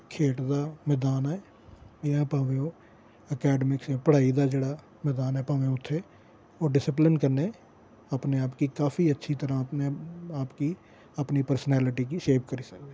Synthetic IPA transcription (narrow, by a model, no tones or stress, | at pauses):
kʰeːʈd̪aːmɛːd̪aːnɛː | jãpãːʋeoː | əkɛːɖəmɪksɛpəɽ̤aːid̪aːd͡ʒeːɽaː | mɛːd̪aːnɦɛːpãːʋeʊt̪ʰːe | oːɖɪsɪplɪnkəɾne | əpneaːpkikaːfiətːʃʰit̪əɾãneaːpki | əpnipəɾsənɛːlɪʈikiʃeːpkəɾiːsəkd̪e